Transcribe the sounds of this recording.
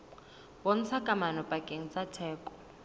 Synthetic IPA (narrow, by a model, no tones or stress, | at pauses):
bɔn̩t͡sʰakʼamanɔpʼakʼeŋ̩t͡sʼatʰɛːkʼɔ̥